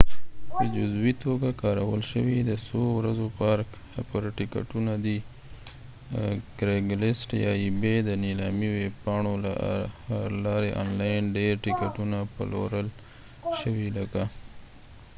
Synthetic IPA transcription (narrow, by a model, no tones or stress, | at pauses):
pəd͡ʒʊzbit̪oɡakɑɾawəlʃəwid̪əsowɾazopɑɾk | pəɾʈɪka̰ʈunad̪i | ɡɾeɡlɪsʈjɑ̰ibed̪ənilɑmiweb̚pɑɳola̰ | lɑɾeʔɑ̰nlɑjnɖeɾʈɪkaʈunapa̰lo̰ɾəl | ʃəwiləka